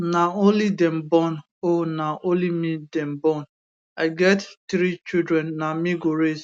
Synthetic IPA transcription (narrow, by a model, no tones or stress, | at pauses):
naolidɛm̩bɔn | onaʔolimidɛm̩bɔn | aɪɡɛttɾit͡ʃidɾɛnːamiɡoɾez